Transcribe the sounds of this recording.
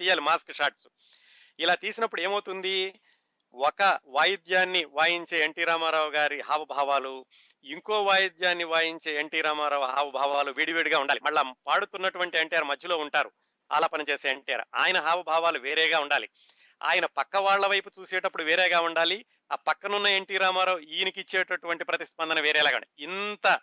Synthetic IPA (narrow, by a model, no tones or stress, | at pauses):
t̪iːjaːlimaːskʂaːɾʈsu | ilaːt̪iːsinɐpːuɽue̞ːmɐwut̪und̪i | ɔkɐʋaːjid̪jaːnːiʋaːjiɲt͡ʃeːeɳʈiːɾaːmaːɾaːwɡaːɾiɦaːʋɐbʱaːʋaːlu | iŋko̞ːʋaːjid̪jaːnːiʋaːjiɲt͡ʃe̞ːeɳʈiːɾaːmaːɾaːʋɦaːʋɐbʱaːʋaːluʋiːɽiʋeːɽɡaːuɳɖaːlimɐɭːɐpaːɽut̪unːɐʈuʋɐɳʈieɳʈijaːɾmɐd͡ʒʱːilo̞ːuɳʈaːɾu | a̰ːlaːpɐnit͡ʃeːseːeɳʈija̰ːɾua̰ːjɐnɐɦaːʋɐbʱaːʋaːluʋeːɾɛːɡaːuɳɖaːlḭ | a̰ːjɐnɐpɐkːɐʋaːɭːɐʋɐjput͡ʃuːsɛːʈɐpːuɽuʋeːɾɛːɡaːuɳɖaːli | aːpɐkːɐnunːɐe̞ɳʈiːɾaːmaːɾaːwuiːnikit͡ʃːɛːʈɐʈuʋɐɳʈipɾɐt̪ispɐnd̪ɐnɐʋeːɾɛːlaːɡɐ̰iint̪ɐ